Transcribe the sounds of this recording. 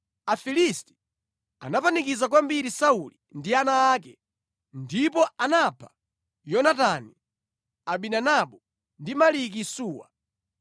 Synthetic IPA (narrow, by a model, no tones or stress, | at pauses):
afilisti̥ | a̰napanikizak̬wambiɾisaulindianaːk̬ɛ | ndipɔanapʰḁ | jɔnatani | aɓinanaɓɔ | ndimalik̬isuːwa̰